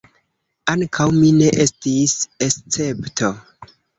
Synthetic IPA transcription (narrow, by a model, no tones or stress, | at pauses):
aŋkʰawmine̞ʔe̞stise̞st͡se̞ptʰo̞